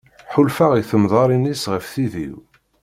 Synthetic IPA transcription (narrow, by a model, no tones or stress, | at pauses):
ħʊlfaʁiθəmðˤɑɾˤinisʁəfθiðḭw